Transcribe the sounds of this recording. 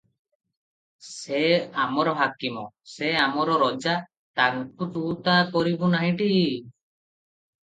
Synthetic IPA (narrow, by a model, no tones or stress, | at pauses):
sɛamɔɾɔɦakimɔsɛamɔɾɔɾɔd͡ʒa | t̪aŋkut̪ut̪akɔɾibɔnaɦĩʈi